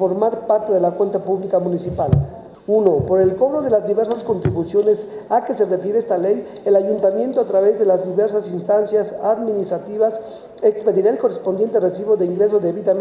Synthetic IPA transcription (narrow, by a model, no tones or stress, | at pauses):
oɾmaɾpaɾt̪eðe̞lakwe̞nt̪apuβlikamũnisipal | uno̞po̞ɾe̞lko̞βɾo̞ðe̞lazðiβe̞ɾsasko̞nt̪ɾiβusjo̞ne̞sake̞se̞re̞fjeɾeest̪ale̞j | elaʝunt̪amje̞nt̪o̞at̪ɾaβe̞zðe̞lazðiβe̞ɾsasinst̪ansjasaðmĩnist̪ɾat̪iβas | e̞kspe̞ðiɾaelko̞respond̪je̞nt̪̬eresiβo̞ðe̞iŋɡɾe̞s̬o̞ðeːβit̪am